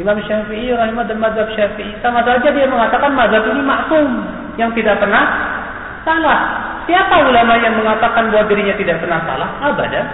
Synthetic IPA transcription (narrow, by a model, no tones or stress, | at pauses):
imaməʃafiʔiɾaɦimad̪anmad̪ab̚ʃafiʔisamasaad͡ʒadiaməŋat̪akanmazat̪inimaʔsʊm | jaŋt̪idaʔ̚pərnah | salah | siapaulamajaŋməŋat̪akanbawat̪̚diɾiɲat̪idaʔpərnahsa̰lahaba̰da